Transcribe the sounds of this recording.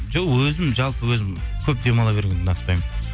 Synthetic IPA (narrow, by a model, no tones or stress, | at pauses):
ʒoqwɵzɪmʒɑlˠpəwɵzɪmkʲʰɵp̚d̪e̞mɑlˠɑbe̞ɾeŋd̪ɪnɑt̪̚pɑjmə